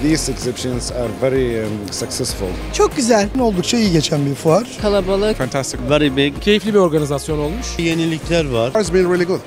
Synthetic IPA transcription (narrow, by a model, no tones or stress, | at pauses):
ðiːsɨksɛpʃə̃nzaɾvɛɾisəksɛsfʊ̰lˠt͡ʃʰok̚ɡ̥ʲyzælʲno̞lˠd̪ukt͡ʃejiɟɛt͡ʃʰænbifuaɾkʰalˠabalˠafæ̃nt̪ʰæst̪ɪkvɛɾibecʰe̞jiflʲibio̞ɾɡanizasjo̞no̞lˠmuʃjenilʲːicʰlʲæɾvaɾzbĩnɹilˠiɡʊd̪